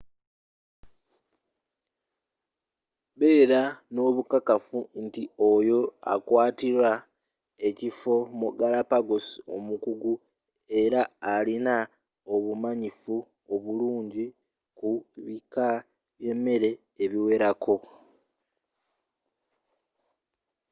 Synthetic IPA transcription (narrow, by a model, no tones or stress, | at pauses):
βe̞ːɾano̞ːβukakafuntio̞jo̞a̰kwaːtiɾwa | e̞cifo̞muɡalapaɡosio̞̰mukuɡu | e̞ɾaːlina | o̞βumaɲifu | o̞βuluːɲɟi | kuβika | βje̞mːe̞ɾe̞ː | βiwe̞ɾako̞